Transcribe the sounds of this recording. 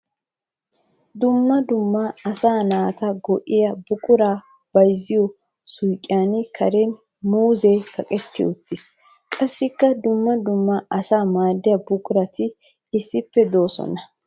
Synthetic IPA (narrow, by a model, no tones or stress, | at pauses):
d̪ʊmːɐd̪ʊmːɐɐsaːnaːt̪ɐɡɔʔɪjɐbʊkʼʊɾaː | b̥ɐjzːɪjɔ | sʊjkʼːɪaːnɪkʰɐɾen | muːzekɐkʼɛt̪ːɪ̰ʊt̪ːɪs | kʼɐsːɪkːɐd̪ʊmːɐd̪ʊmːɐʔɐsaːmaːd̪ːɪjɐbʊkʼʊɾɐt̪ɪ | ɪsːɪpːɛd̪o̞ːsɔ̰nɐ